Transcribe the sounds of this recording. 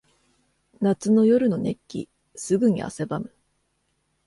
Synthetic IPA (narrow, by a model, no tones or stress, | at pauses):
nat͡sɨno̞jo̞ɾɯ̟no̞ne̞kʲːḭ | sɨɡɯ̟ɲ̟ḭʔa̰se̞bamɯ̟